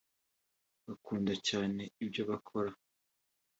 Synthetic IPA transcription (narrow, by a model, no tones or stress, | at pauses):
βakuːndacaːne̞ibɟoβakʰo̞ɾa